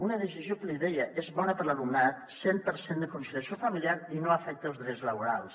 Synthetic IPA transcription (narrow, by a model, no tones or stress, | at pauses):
unəðəs̬izjokəliðɛjəʔezβɔnəpəɾlalumnat̪sempəɾsend̪əkunsiliɐsjofəmiljaɾinoafɛk̚t̪əlˠzðɾɛzləβuɾa̰lˠs